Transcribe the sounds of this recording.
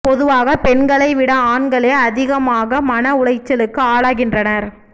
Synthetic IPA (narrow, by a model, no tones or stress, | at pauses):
pɔðɯʋaːɣɐpɛnɡɐɭɐɪʋɪɽɐaːnɡɐɭeːɐðɪɣɐmaːɣɐmɐnɐʊɭɐɪt͡ʃːɐlɯkːɯaːɭaːɣɪndrɐnɐɾ